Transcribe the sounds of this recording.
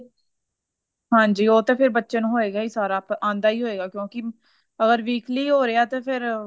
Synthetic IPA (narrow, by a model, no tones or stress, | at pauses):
ɦãːɲd͡ʒiːoːt̪eːpʰɪɾbətːʃənːɦoːeːɡaːiːsaːɾaːpãːnd̪aːiːɦoːeːɡaːkjõːkɪ | əɡəɾʋiːkʰliːɦoːɾeaːt̪eːpʰɪɾ